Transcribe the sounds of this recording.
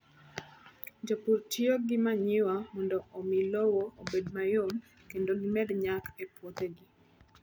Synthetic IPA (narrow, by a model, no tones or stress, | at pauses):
d͡ʒopuɾt͡ʃioɡɪmaɲɪwamɔndɔomɪlowoobedmajon | kendoɡɪmɛdɲakɛpwɔt̪eɡi